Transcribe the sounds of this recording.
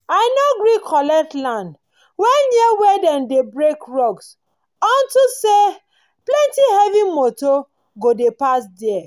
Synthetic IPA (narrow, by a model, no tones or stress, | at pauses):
aɪnoɡɾikʰɔlɛtlãnd | wɛnɛwɛdɛ̃mdebɹekɹɔɡs | ɔ̃ntuse | plɛ̃ntihɛvimoto | ɡodepas̬dɛɛ